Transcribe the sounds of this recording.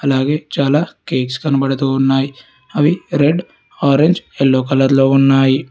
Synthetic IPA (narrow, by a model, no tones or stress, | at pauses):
ɐlaːɡe̞ːt͡ʃaːlaːkeːkskɐnɐbɐɽɐt̪uːunːaːji | ɐʋiɾeɖ | aːɾeɲd͡ʒelːoːkɐlɐɾlo̞ːunːaːji